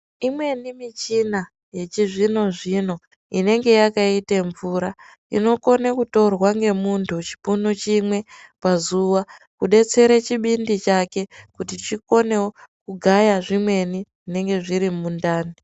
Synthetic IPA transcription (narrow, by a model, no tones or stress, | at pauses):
imwe̞nimit͡ʃina | je̞t͡ʃiʐino̞ʐino̞ | ine̞ŋɡe̞jakaiteɱvuɾa | ḭno̞ko̞nekuto̞rwaŋɡe̞muntʰut͡ʃi̥punot͡ʃimwe̞pazuʋakuɗe̞t͡se̞ɾet͡ʃiɓindit͡ʃake̞kutit͡ʃiko̞ne̞wokuɡʱajaʐimwe̞niʐine̞ŋɡe̞ʐiɾimundaːni